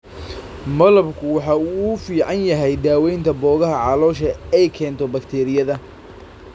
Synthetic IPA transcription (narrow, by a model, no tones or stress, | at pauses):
mɐlɐbkʰʊwɑħɑuuːfiːʕɑnjɐɦɛjd̪aːwɛjnt̪ʰɐbɔːɣɐɦɐʕɑlɔːʃɐɛjkʰɛːnt̪ʰɔbɐkt̪ʰɛːɾɪjɐðɐ